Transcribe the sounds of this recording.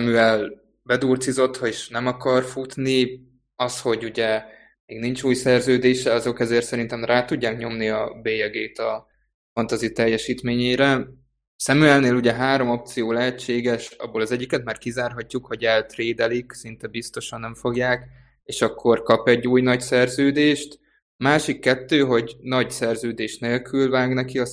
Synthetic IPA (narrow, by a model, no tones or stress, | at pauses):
sɛmyɛl | bɛd̪uːrt̪sizo̞t̪hɒeːʃnɛmɒkɒrfut̪ni | ɒsho̞ɟuɟɛ | meːɡnint͡ʃuːjsɛrzøːd̪eːʃɛɒzo̞kɛzeːrt̪sɛɾint̪ɛmraːt̪uɟːaːkɲo̞mniɒbeːjɛɡeːt̪ɒ | fɒnt̪ɒzit̪ɛjːɛʃiːt̪meːɲejɾɛ | sɛmyɛlneːluɟɛɦaːɾo̞mo̞p̚t̪sijoːlɛɦɛt͡ʃːeːɡɛʃɒ̰bːoːlɒzɛɟːikɛt̪̚maːrkizaːrɦɒcːukho̞ɟɛlt̪reːd̪ɛliksint̪ɛbist̪o̞ʃɒnːɛɱfo̞ɡjaːk | eːʃɒkːo̞rkɒpɛɟːuːjnɒcsɛrzøːd̪eːʃt̪ | maːʃikːɛt̪ːøːɦo̞ɟnɒɟsɛrzøːd̪eːʃneːlkʰylvaːɡnɛkiɒ